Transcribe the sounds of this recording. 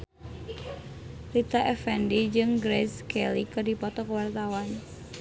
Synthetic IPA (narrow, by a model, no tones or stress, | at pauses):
lit̪aʔɛfɛndid͡ʒɨŋɡɾɛskɛlikərdipɔt̪ɔkəwart̪awan